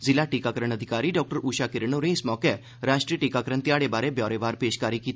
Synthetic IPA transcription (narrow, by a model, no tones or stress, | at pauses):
zɪlaːʈiːkaːkəɾəɳ̃əd̪ʱɪkaːɾiːɖɔːk̚ʈəɾuːʃaːkɪɾənoːɾẽːɪsmɔːkɛ | ɾaːʃʈɾiːʈiːkaːkəɾəɳt̪ɪjaːɽebaːɾebjɔːɾeːʋaːɾpeːʃkaːɾikiːt̪ː